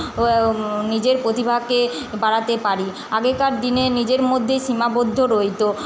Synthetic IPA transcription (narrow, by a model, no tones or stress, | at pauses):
nid͡ʑeɾpɾot̪ibʱake | baɽat̪epaɾi | aɡekaɾd̪inenid͡ʑeɾmod̪ʱːeʃimabod̪ʱːoɾojt̪o